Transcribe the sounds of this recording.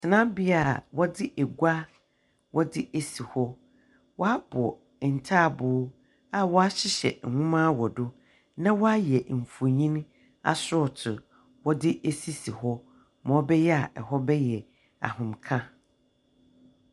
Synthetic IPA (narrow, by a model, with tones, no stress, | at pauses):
tʰɪ˨nã˦bɪ˦a˨wɔ˦dɪ˦ʔe˨ɡʷa˦ | wʔɔ˦dɪ˦ʔe˨si˨hɔ˦ | wɔ˦a˦b̥ɔ˨ | n̩˨tʰaː˦˨bʊː˦ | a˦wɔ˦a˦ɕɪ˦ɕɛ̰˨ŋ̩˨hʊ̃˦mã˦wɔ˨dʊ˦ | nã˦wɔ˦a˦jɛ˨m̩˨fu˨ɲĩ˦n | a̰˨sʊ˦ɔ˨tʰʊ˨ | wɔ˦dɪ˦ʔe˦si˦si˨hɔ˦ | mɔ̃˨˦bɛ˦jɛ˦a˨ʔɛ˨hɔ˦bɛ˦jɛ˨ | a̰˨hʊ̃˨mkʰã˦